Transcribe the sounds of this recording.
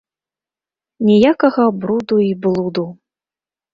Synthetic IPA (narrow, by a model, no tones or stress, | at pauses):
nʲɛjakɐɣɐbɾud̪uiblˠud̪u